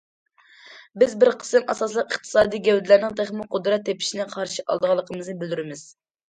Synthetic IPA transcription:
bɪzbɪɾqʰə̥sɨmʔɑsɑslˠəqəχt̪ʰɨ̥sɑːd̪ijɡʲɛwd̪ɪlæɾnɪŋt̪ʰeχmuqʰʊd̪ɾɑt̪ʰːepʰi̥ʃinɪqʰɑɾʃiʔɑ̰lˠd̪əʁɑlˠːəqʰəmɨznɨbɪld̪yɾɪmɪz̥

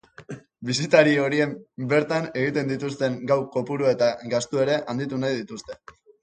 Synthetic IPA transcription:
bisit̪aɾio̞ɾie̞mbe̞ɾt̪ane̞ɣ̞it̪e̞nd̪it̪ust̪e̞ŋɡawko̞puɾue̞t̪aɣast̪ue̞ɾe̞ʔand̪it̪unajðit̪ust̪e̞̥

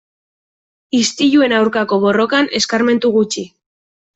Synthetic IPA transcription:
ist̪iʎue̞nawɾkako̞βo̞ro̞kane̞skaɾme̞nt̪uɣut͡ʃi

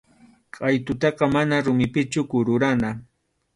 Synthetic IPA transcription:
qʼajt̪ʊt̪ɑqɑmanaɾʊmɪpɪt͡ʃʊkʊɾʊɾana

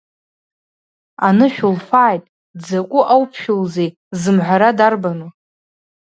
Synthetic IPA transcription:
anɨʃᶣʊlfaːjtʼ | d͡zakʷʼʊʔawpʰʃᶣʊlzej | zɨmħʷaɾadarbanu

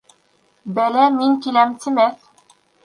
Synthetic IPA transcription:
bælæmiŋkilæmt̪ɘ̆mæθ

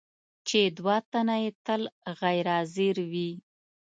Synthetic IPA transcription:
t͡ʃed̪wɑt̪anajet̪əlɣajɾɑziɾwi

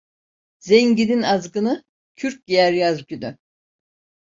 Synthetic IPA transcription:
zeɲɟininazɡɯnɯ | cʰyɾc̚dijæɾjazɟʲyny

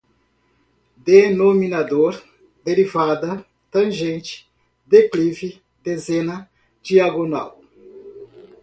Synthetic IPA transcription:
d̪enominad̪oɾ | d̪eɾivad̪ɐ | t̪ɐ̃ʒẽnt͡ʃɪ̥ | d̪eklivɪ | d̪ezẽnɐ | d͡ʒiaɡona̰w

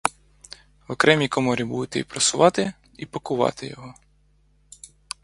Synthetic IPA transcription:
wɔkɾɛmʲikɔmɔɾʲibud̪ʊt̪ɛipɾɔsʊʋɑt̪ɪ | ipɔkʊʋɑ̰t̪ɪjɔɦɔ

